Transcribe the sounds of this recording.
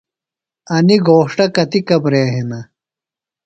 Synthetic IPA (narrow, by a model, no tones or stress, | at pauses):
ɐniɡoːʂʈɐkɐt̪ikɐbɾeːɦinɐ